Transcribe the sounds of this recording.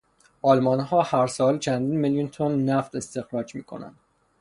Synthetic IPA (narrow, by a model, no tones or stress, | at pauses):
ʔɒlmɒnɦɒːhæɾsɒːlt͡ʃʰænd̪iːnmeljunt̪ʰonːæft̪e̞st̪e̞xɾɒːd͡ʒmiːkʰo̞̰næ̰nd̪̥